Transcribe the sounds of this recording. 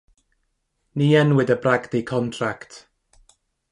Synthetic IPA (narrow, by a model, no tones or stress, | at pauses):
niːɛnwɪdəbraɡdikʰɔntʰraktʰ